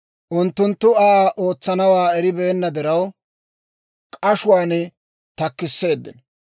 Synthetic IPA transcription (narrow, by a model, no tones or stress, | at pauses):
ʔʊnt̪ːʊnt̪ːʊaːʔo̞ːt͡sːɐnɐwaːɛɾɪbeːnːɐd̪ɪɾɐw | kʼɐʃʊwaːnɛ | t̪ɐkːɪsːe̞ːd̪ːɪn